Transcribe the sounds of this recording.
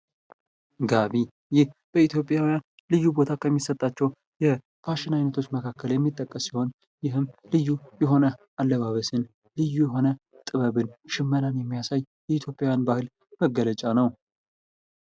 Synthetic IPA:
ɡaβi | jɪhb̥əit̪ʰjo̞pʼːjawijan | lɨjːubo̞t̪ʰakʰəmːisət̪ʼːat͡ʃːɛw | jɛ | fʰaʃɪnajnət̪ʰo̞t͡ʃːməkʰakʰːəljɛmːit̪ʼːəkʼːəsːiho̞n | jɪɦɨmlɨjːujɛɦo̞nəʔalːəβaβəsɨn | lɨjːujɛɦo̞nət̪ʼɨβəβɨnʃɪmːənanjɛmːijasaj | jɛit̪ʰjo̞pʼjawjanbahɨl | məɡːələt͡ʃʼanəw

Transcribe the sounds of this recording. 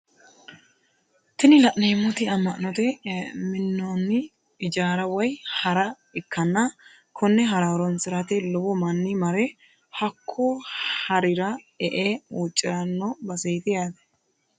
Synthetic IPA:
t̪ɪnɪlɐʔneːmːɔt̪ɪɐmːɐʔnɔt̪ɛmɪnːonːɪ | ɪd͡ʒaːɾɐwɔjhɐɾɐ | ɪkʰːɐnːɐ | kʰɔnːɛɦɐɾaːɾɔnsɪɾɐt̪ɛlɔbɔmɐnːɪmɐɾɛ | hɐkʰːohɐɾɪɾɐ | ɛʔeːuːt͡ʃʼːɪɾɐnːɔbɐseːt̪ɪjaːd̪ɐ̥

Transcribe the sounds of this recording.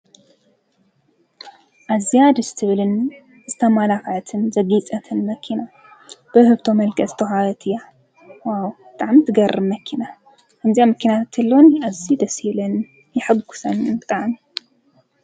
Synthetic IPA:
ʔazijad̪ɨst̪ʰɨβlɨn | zɨt̪ʰɐmalafʕt̪ʰɨnzɐɡit͡sʼɐt̪ʰɨnmɐkʰina | b̥ɨhɨβt̪ʰomɐlkʰɐzɨ̥t̪ʰɐħaɾɐt̪ʰɨja | wawbɨt̪ʼaʕmit̪ʰɨɡɐɾɨmɐkʰina | kʰɐmzijamɐkʰinat̪ʰɨlːonazid̪ɐshiβlɐn | jɪħɨɡu̥sɐnɨnt̪ʼaʕmi

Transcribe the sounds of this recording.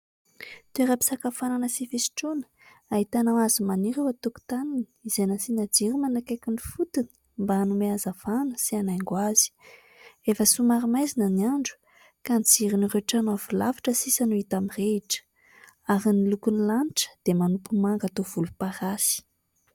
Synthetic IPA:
t̪ueɾapi̥sakafananəsifesi̥ʈ͡ʂonə̥ | aɦit̪anawazimaniɾewat̪uku̥t̪anini̥izejnəsinad͡ziɾimanakakʲunifut̪ini̥ | mbaanumeazav̥anəsianaŋɡwaz̥i̥ | efəsumaɾimajzinəniaɳɖ͡ʐu̥ | kanit͡siɾinireʈ͡ʂanavilavaʈ͡ʂəsisanuit̪amireiʈ͡ʂə̥ | aɾinilukunilanʈ͡ʂə̥d̪̥emanupumaŋɡat̪ov̥ulupaɾasi̥

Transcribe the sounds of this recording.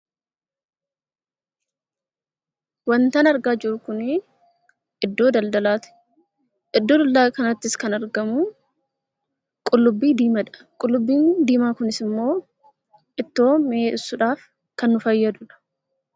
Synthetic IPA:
wɐnt̪ɐnɐɾɡaːd͡ʒɪɾʊkʊnɪ | ʔɪd̪ːo̞ːd̪ɐld̪ɐlaːt̪ɪ̥ | ʔɪd̪ːo̞ːd̪ɐld̪ɐkɐnɐt̪ːɪskɐnɐɾɡɐmu | kʼʊlːʊbːiːd̪iːmɐᶑɐ̥ | kʼʊlːʊbːiːnd̪iːmaːkʊnɪsɪmːo̞ː | ʔɪt̪ːo̞ːmeɪsːʊᶑaːf | kɐnːʊfɐjːɐd̪ʊᶑɐ̥

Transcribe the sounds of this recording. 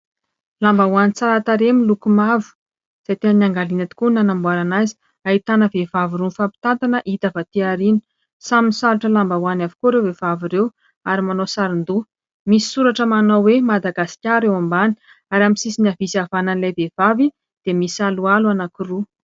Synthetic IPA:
lambawanit͡saɾat̪aɾemilukumavu̥ | z̥ajt̪eəniaŋɡalinat̪i̥kunanambwaɾanazi̥ | ait̪anəvevaviɾunfapi̥t̪ant̪anəʔit̪avat̪iaɾini̥ | saminisaɾaʈ͡ʂəlambawanavi̥kuɾewvev̥aviɾew | aɾimanosaɾind̪u | misi̥suɾaʈ͡ʂəmanowemad̪aɡasi̥kʲaɾewambani̥ | aɾamisisinavisavananilajvev̥avi | d̪̥emisalualuanakiru

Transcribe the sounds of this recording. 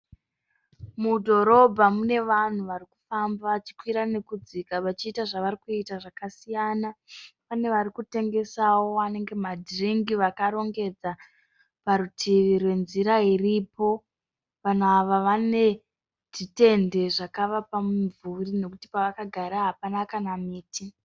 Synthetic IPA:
mudʱo̞ɾo̞bʱamune̞ʋan̤uʋariku̥fambaat͡ʃi̥kwiɾane̞kud͡zikaʋat͡ʃiːtaʐaʋaɾikuitaʐakasijanapane̞ʋaɾikute̞ŋɡe̞sawo̞ane̞ŋɡe̞madriŋɡiʋakaɾo̞ŋɡe̞d͡za | paɾutʰiʋirwe̞nziɾairipo̞ | ʋan̤uaʋaʋane̞ | ʐ̥ite̞nde̞ʐakaʋapamuɱvurine̞kuti̥paʋakaɡʱaɾaɦapanakanamiːti

